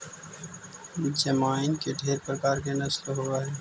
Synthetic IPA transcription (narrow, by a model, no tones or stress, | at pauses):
d͡ʒəmaːɪnkeɖʱeːɾpɾəkaːɾkenɐslɦoaɦɛː